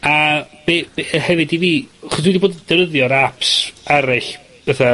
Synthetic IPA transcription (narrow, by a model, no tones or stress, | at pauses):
ab̥ebehɛvɨdiviːaχɔswidiboːdədɛɾəðjɔɾapsaɾɪɬ | ɛθa